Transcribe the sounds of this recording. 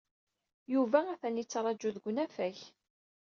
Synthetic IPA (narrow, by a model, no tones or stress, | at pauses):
juvææθænit͡sːɾˤɑd͡ʒːuðɡʷnæfæç